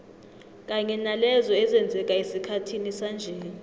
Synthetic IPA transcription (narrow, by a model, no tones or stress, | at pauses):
k̬ʼaɲɛnalɛzɔɛzɛnd͡zʱɛkʼaesikʰatʰinisand͡ʒʱeːni